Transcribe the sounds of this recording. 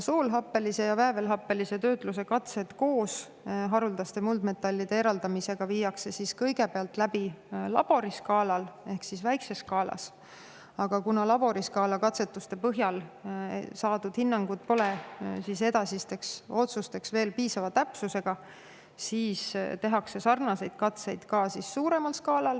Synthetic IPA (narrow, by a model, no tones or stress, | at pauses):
soːlɦɑpːˑe̞lise̞jɑvæevelɦɑpˑːe̞lise̞t̪øːt̪ˑlus̬e̞kɑt̪se̞t̪ko̞ːs | ɦɑɾuld̪̥ɑst̪e̞muld̪me̞t̪ːˑɑlʲːid̪eeɾɑld̪ɑmise̞ɡ̥ɑviːjɑkse̞siskɤjɡ̥e̞peɑlt̪ːˑlæb̥ilɑ̰b̥o̞ɾiskɑːlɑle̞hksisvæjkse̞skɑːlɑ̰s | ɑɡ̥ɑkunɑlɑb̥o̞ɾiskɑːlɑkɑt̪se̞t̪ːˑust̪e̞pɤɦjɑl̰ | sɑːd̪ud̪̥hinːɑŋɡ̥ud̪̥̚po̞lesise̞d̪ɑsist̪e̞kso̞t̪sust̪eksve̞ːlpiːsɑvɑt̪æpsuse̞ɡ̥ɑ | siːst̪e̞ɦɑkse̞sɑrnɑse̞jd̪̥̚kɑt̪se̞jd̪̥kɑːsisːuːɾe̞mɑlskɑːlɑl